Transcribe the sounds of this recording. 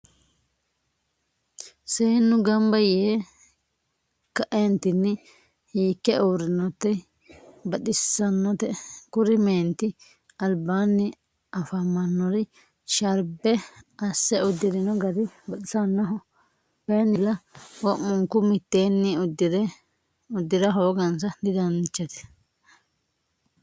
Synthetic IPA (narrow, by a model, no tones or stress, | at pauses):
seːnːʊɡɐmbɐjeː | kɐʔɛnt̪ɪnːɪ | hiːkːɛoːɾɪnːɔt̪ːɛ | bɐᶑ̪ɪsɐnːɔt̪ɛkʊɾɪmeːnt̪ɪ | ɐlbaːnːɪ | ɐfɐmɐnːɔɾɪ | ʃɐɾbɛɐsːɛʊd̪ːɪd̪ɪnɔɡɐd̪ɪbɐt̪ɪsɐnːɔɦɔ | bɛnːɪlɐwɔmʊŋkːʊmɪt̪ːeːnːɪʊd̪ɪdɛ | ʊd̪ːɪd̪ɐɦo̞ːɡɐnsɐd̪ɪd̪ɐnt͡ʃːɛt̪ɛ̥